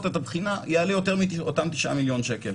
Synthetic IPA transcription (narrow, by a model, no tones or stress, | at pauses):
tetabχinajealijote̞ʁmiotamt̪iʃʔa̰miljo̞nʃekel